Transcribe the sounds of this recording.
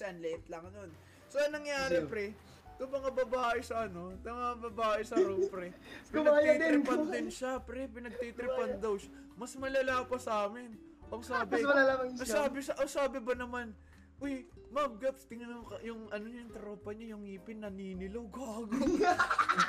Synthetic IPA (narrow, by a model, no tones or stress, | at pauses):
sɐnlɛɛt̪lɐŋnon | soɐŋnɐŋjaːɾɛpɾɛ | t̪ʊŋmɐŋɐbɐbaːʔɪsɐʔɐno̞t̪ɐmɐŋɐbɐbaːʔɪsɐɾopɾɛpɪnɐat̪id̪ɾɪpɐnd̪ɪnʃapɾɛpɪnɐɡ̚t̪it̪ɾɪpɐnd̪ɐwʃa | mɐsmɐlɐlaːpɐsaːmɪn | ʔoŋsaːbmɐlalapɐɐsaːbɪsɐʔosaːbɪbɐnɐman | ʔoj | mɐbɡɐpst̪ɪŋɐnʊŋkjʊŋɐnoɲʊŋt̪ɐɾoːpɐɲajʊŋiːpɪnːɐniːnɪlowɡaːɡo